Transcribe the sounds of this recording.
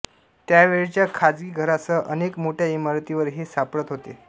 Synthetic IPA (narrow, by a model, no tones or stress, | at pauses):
t̪jaʋeɭt͡ɕjakʰad͡zɡiːɡʱəɾat͡səʔənekmoʈʰjaimaɾt̪iʋəɾɦesapɭət̪ɦot̪ḛ